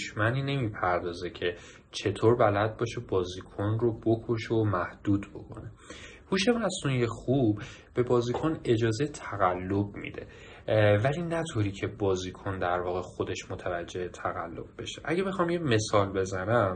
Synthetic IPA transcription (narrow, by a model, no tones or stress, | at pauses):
oʃmæniːne̞miːpʰæɾd̪ɒːze̞cʰe̞ | t͡ʃʰe̞t̪ʰoːɾbælæd̪̚bɒːʃebɒːzikʰonrobo̞kʰoʃemæhd̪̥uːd̪bo̞̰kʰo̞̰ne̞ | huːʃe̞mæsunijexub̥ː | e̞bɒːzikʰone̞d͡ʒɒːze̞jt̪ʰæɣælːo̞b̚mḭd̪e̞̰ | vælinæt̪ʰoːɾiːcʰe̞bɒːziːkʰond̪æɾvɒːɣe̞xo̞d̪e̞ʃmot̪ʰævæd͡ʒːe̞het̪ʰæɣælːo̞b̚be̞ʃe̞̥ʔæɟebexɒːmjeme̞sɒːlbe̞zænæm